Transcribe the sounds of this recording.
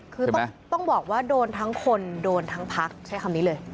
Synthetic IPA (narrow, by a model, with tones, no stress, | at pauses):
kʰɯː˧˥t̪ɔ˥˩ŋbɔː˨˩k̚waː˥˩doː˧nt̪ʰa˦˥ŋkʰo˧ndoː˧nt̪ʰa˦˥ŋpʰa˦˥k̚t͡ɕʰa˦˥jkʰa˧mniː˦˥lɤː˧j